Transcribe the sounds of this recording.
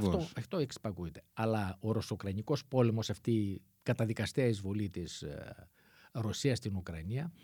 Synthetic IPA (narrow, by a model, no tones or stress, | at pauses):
t̪oɐft̪oeksi̥pɐkuet̪e̞ɐlɐo̞ɾosokɾɐniko̞spo̞le̞mo̞sɐft̪i | kɐt̪ɐðikɐst̪eɐizvo̞lit̪is | ɾo̞siɐst̪inukɾɐniɐ